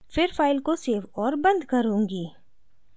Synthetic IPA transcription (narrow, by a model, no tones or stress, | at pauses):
fɪɾfaːɪlkoseːʋɔːɾbɐ̃nd̪kɐɾũːŋɡiː